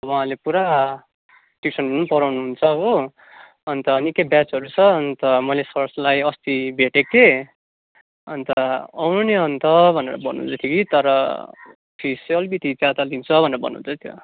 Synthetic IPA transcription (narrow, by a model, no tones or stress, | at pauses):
ʌwãɦãlepuɾa | ʈik̚sʰʌnunupʌɾawnuɦunt͡sʰʌko | ʌnt̪ʌːnikebjat͡sɦʌɾut͡sʰʌʌnt̪ʌmʌlesʌrslajʌst̪ibʱeʈeke | ʌnt̪ʌawnuneʌnt̪ʌbʱʌnḛɾʌ̰bʱʌnṵnt͡sʰʌt̪ʰjokit̪ʌɾʌ | pʰisjʌlbit̪it͡sãt̪alint͡sʰʌbʱʌneɾʌbʌ̰nṵ̃unt͡sʰʌt̪ʰjo̰